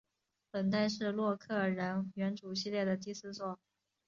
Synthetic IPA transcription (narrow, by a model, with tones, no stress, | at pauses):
pə˨˩nt̪̬a˥˧ɪʂɻ̩˥˧lwɔ˥˧kʰɤ˥˩ɻə˧˥nɥɛ˧˥nʈ͡ʂu˨˩ɕi˥˧ljɛ˥˩d̪ə˩t̪̬i˥˩sɹ̩˥t͡swɔ˥˩